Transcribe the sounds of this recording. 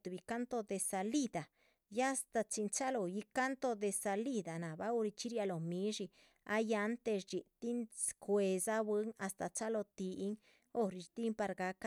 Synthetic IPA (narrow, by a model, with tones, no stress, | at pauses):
t̪u˨bi˨˧ka˦nt̪o˧d̪e˧sa˧li˦d̪a˨ | ja˦˧st̪a˧t͡ʃi˧nt͡ʃa˦lo˨ji˧ka˦nt̪o˧d̪e˧sa˧li˦d̪a˨na˨ba˦u˧ɾi˧t͡ʃi˦ɾja˧lo˨mi˧˦ʐi˧ | a̰˧˦ja˧nt̪e˧ʂd͡ʒi˨t̪i˦nkwe˨˧za˦bwe˦ŋa˧st̪a˨t͡ʃa˦lo˧t̪i˧ʔi˦ŋ | o˧ɾi˧t͡ʃt̪i˦mpa˧ɾɡa˧˦ka˦